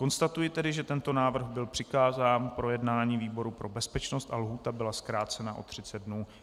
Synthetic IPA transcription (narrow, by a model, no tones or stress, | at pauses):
ko̞nst̪at̪ujɪt̪ɛdɪʒɛt̪ɛnt̪o̞naːvr̩ɣbɪlpr̥ɪkaːzaːnpɾo̞jɛdnaːɲiːviːbo̞ɾupɾʔo̞bɛspɛt͡ʃno̞st̪ʔalɦuːt̪abɪlaskɾaːt͡sɛnaʔo̞̰t̪r̝̥ɪt͡sɛd̪̚dnuː